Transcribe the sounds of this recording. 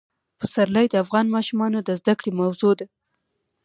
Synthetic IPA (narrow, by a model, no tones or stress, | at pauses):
pəsaɾlajd̪əafɣɑnmɑʃumɑnod̪əzd̪akɽemawzod̪a